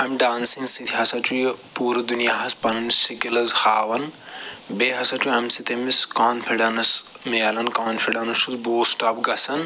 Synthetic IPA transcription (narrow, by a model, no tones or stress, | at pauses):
ɦɐmɖaːnsiŋsit̪ʰiɦɐsɐt͡ʃujpuːɾɐd̪unijaːɦɐspɐnɐnsikilɐzxaːʋɐnbeːɦɐsɐt͡ʃuɦɐmsit̪ʰemiskaːnpʰiɖɐnɐs | meɐlɐnkaːnpʰiɖɐnɐsusboːsʈaːpɡɐsɐn